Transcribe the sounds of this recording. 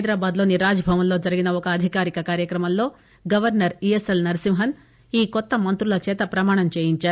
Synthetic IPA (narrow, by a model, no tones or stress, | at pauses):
ɐjd̪ɾaːbaːd̪lo̞ːniɾaːd͡ʒɐbʱɐʋɐmlo̞ːd͡ʒɐɾiɡinɐɔkɐːd̪ʱikaːɾikɐkaːɾjɐkɾɐmɐmlo̞ː | ɡɐʋɐɾnɐɾieselnɐɾisimɦɐn | iːkɔt̪ːɐmɐnt̪ɾulɐt͡ʃɛːt̪ɐpɾɐmaːɳɐmt͡ʃeːjiɲt͡ʃaːɾu